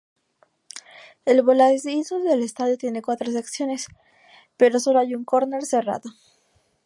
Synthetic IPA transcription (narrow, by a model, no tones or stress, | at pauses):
e̞lβo̞lazizoðelest̪aðjot̪je̞nekwat̪ɾos̬eksjo̞ne̞s | pe̞ɾo̞so̞loajuŋkoɾneɾse̞ra̰ðo